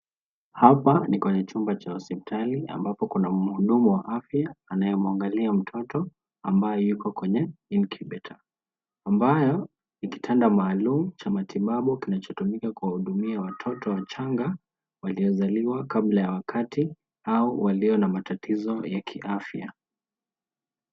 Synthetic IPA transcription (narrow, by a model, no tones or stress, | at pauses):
hapanikwɛɲɛt͡ʃumbat͡ʃaɔsipitʰaliʔa̰mbapɔkunam̩huɗumuwaʔafjaːnajɛmaŋɡaliam̩tʰɔtɔ | ambajɔjukɔkwɛɲɛinkʰiɓɛtʰaː | mbajɔ | niki̥tʰandamaːlum̩t͡ʃamatʰiɓaɓukinat͡ʃɔtumikakuwahuɗumiawatʰɔtɔwat͡ʃaŋɡa | waliɔzaliwakaɓlajawakʰati | auwʔaliɔnamatatʰizɔjakʰiʔafja̰